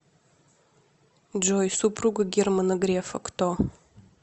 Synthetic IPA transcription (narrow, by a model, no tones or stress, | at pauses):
d͡ʒojsupʰruɡaɡʲermanoɡrefɐkʷʰtʰo